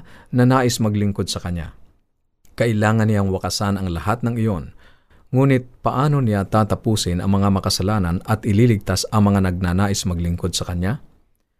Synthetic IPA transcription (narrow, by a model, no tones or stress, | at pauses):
nɐnaːʔɪsmɐɡlɪŋko̞d̪̚sɐkɐɲja̰ | kɐʔɪlaːŋɐnːɪjaŋwɐkɐsanɐŋlɐhat̪̚nɐŋɪjo̞n | ŋuːnɪt̪̚pɐʔaːno̞nɪjat̪aːt̪ɐpuːsɪnɐ̰ŋmɐŋamɐkɐsɐlaːnɐnɐt̪ʔɪliːlɪɡ̚t̪asɐŋmɐŋanɐɡ̚nanaːʔɪsmɐɡlɪŋkod̪̚sɐkɐɲja